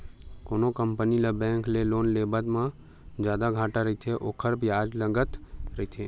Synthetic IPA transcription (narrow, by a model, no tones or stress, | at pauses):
koːnokəmpəniləbɛ̃ːŋkleloːnleːbət̪mã | d͡ʒjaːd̪aɡʱaːʈaɾɐɦit̪ʰeʔoːkʰəɾbjaːd͡ʒləɡət̪ɾɐɦit̪ʰeː